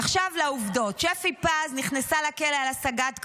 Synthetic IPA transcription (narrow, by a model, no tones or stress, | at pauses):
aχʃavlauvdo̞tʃefipazniχnesalakelealasaɡat̪k